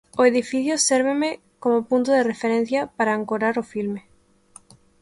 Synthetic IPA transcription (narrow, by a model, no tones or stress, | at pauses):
oeðifiθjoseɾβeme | komopunt̪oðerefeɾẽn̟θjɐpaɾaːŋkoɾaɾofilme